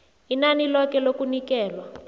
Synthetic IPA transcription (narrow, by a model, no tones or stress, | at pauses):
inanilɔkɛlokunikɛːlwa